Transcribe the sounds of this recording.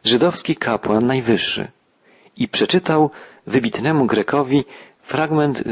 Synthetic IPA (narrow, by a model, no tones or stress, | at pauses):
ʐɘd̪ɔfskʲikʰapwanːajvɘʂːɘ̰ | ipʂɛt͡ʂɘt̪awvɘbʲit̪nɛmuɡɾɛkʰɔvʲi | fɾaɡmɛnt̪